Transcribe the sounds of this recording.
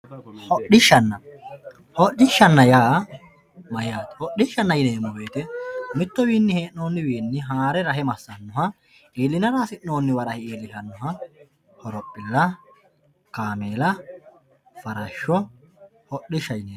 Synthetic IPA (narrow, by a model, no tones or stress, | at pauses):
hɔɗɪʃːɐnːɐ | hɔɗɪʃːɐnːɐjaː | mɐjaːt̪hɔɗɪʃːɐnːɐjɪneːmːɔbeːt̪ɛmɪt̪ːɔwiːnːɪheːʔno̞ːnːɪwiːnːɪɦaːɾɛɾɐɦɛmɐsːɐnːɔɦɐ | eːlɪnɐɾaːsɪʔno̞ːnːɪwɐɾɐhɪeːlɪʃɐnːɔɦɐ | hɔɾɔpʼːɪlːɐ | kaːmeːlɐ | fɐɾɐʃːɔhɔɗɪʃːɐjneː